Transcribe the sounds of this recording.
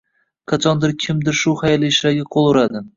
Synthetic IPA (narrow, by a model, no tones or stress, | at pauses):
qʰɑt͡ʃʰɒnd̪ɪɾkʲʰɪmd̪ɪɾʃʊhajliːʃlaɡʲɪqʰolˠʊɾad̪ɪ